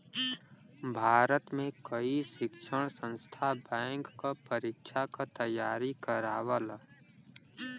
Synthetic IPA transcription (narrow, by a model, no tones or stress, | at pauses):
bʱaːɾət̪mẽkɐiʃɪkʃəɽ̃sə̃nst̪ʰabɛ̃ːŋkkapəɾɪkʃakat̪ɐjːaːɾikəɾaːʋəl